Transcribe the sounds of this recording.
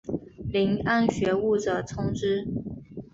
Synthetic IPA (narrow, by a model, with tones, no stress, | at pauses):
li˧˥ŋa˥˧nɕɥɛ˧˥u˥˩ʈ͡ʂə˨˩t͡sʰʊ˥ŋʈ͡ʂɻ̩˥